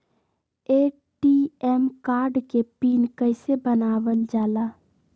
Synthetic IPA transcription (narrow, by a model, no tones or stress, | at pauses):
eː | ʈiɛmkaːɾɖkepiːnkəɪsebənaːʋəld͡ʒaːlaː